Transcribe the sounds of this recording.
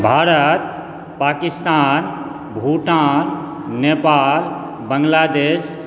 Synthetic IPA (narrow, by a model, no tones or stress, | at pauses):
bʱaːɾət̪̚ | pakist̪aːn | bʱuʈal | nepal | bəŋɡlad̪eːs